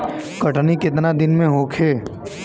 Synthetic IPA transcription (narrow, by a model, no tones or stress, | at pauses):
kɐʈnikɪt̪nad̪ɪnmẽɦoːkʰeː